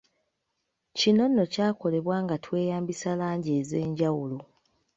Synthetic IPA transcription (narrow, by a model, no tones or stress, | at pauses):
cino̞nːo̞caːko̞le̞βwaːŋɡatwe̞ːjaːmbisalaːɲɟe̞ːze̞ːɲɟawulo